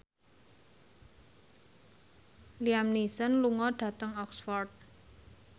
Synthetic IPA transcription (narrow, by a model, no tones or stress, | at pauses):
liamnisənluŋɔɖ̥ä̤t̪əŋɔksfɔrd̪̚